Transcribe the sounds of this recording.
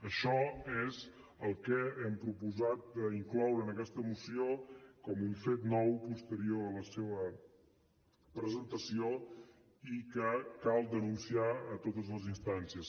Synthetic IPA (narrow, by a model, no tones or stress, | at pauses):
əʃɔez | əlˠkɛɛmpɾupuzat̪̚d̪əiŋklɔwɾəːnəkɛst̪əːmusiokɔmuɱfet̪nɔwpust̪əɾioləseβə | pɾəzənt̪əsio | ikəkalˠd̪ənunsiaət̪ot̪əzləzinst̪ansiəs